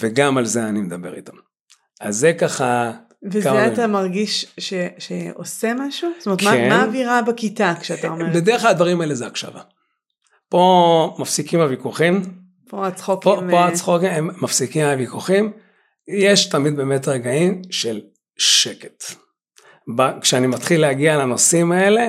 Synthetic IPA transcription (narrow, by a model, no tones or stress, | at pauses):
veɡamalzeanimed̪abeʁḭtam | a̰zːekaχa | vezkaeatamaʁɡiʃʃeʃeo̰semaʃustometkmaemaːviʁabakitakʃeataaomebedeeχlad̪vaʁimaelezeakʃa̰va̰ | po̞mafsikimavikuχim | poat͡sχokpomoaχokemːafsikimavikuχim | jeʃtamid̪̚beːme̞tʁeɡaimʃel | ʃeke̥t | bakʃeanimat̪χileaɡialano̞simaele̞